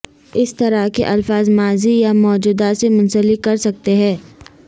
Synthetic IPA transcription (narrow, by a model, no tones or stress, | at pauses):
ɪst̪ɐɾakḛʔɐlfaːzmaːzijamɔːd͡ʒuːd̪asemʊ̃nsəlɪkːɐɾsɐk̚t̪eɦɛ̃ː